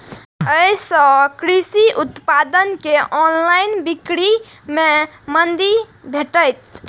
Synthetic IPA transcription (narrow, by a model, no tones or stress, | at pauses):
əjsə̃kɾisiʔut̪pad̪ənkeʔɔnlainbikɾi | me | mənd̪ibʱeʈəjt̪̚